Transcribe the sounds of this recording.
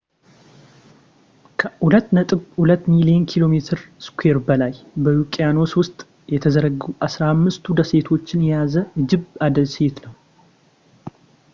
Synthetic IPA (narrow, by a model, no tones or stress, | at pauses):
kʰəhulət̪ːnət̪ʼɨβhulət̪ːmilijenkʰilo̞me̞t̪ʰɨɾskʰʷwe̞ɾbəlaj | bəjukʼijano̞swʊst̪ʼ | jɛt̪ʰəzəɾəɡuʔasɾaamːɨst̪ʰud̪əse̞t̪ʰo̞t͡ʃːɪnjɛjazəɨd͡ʒɪβad̪əlse̞t̪nəw